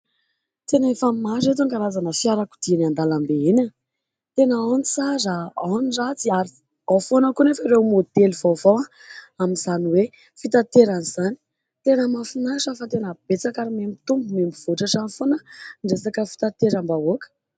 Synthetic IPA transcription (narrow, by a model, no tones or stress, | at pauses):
t̪enefammaɾet̪̬uŋɡaɾazanəfiaɾaku̥d̪̥inand̪alambeinan | t̪enaanit͡sazaanirat͡siaɾi | afonəkunefaɾewmod̪elvovawa | amizaniwe | fit̪at̪eɾanizani̥ | t̪enəmafinaʂafat̪enəb̥et͡sakaɾimembit̪umbumembiv̥oʈ͡ʂaʈ͡ʂanfonəɳɖ͡ʐesakəfi̥t̪at̪eɾambaokə̥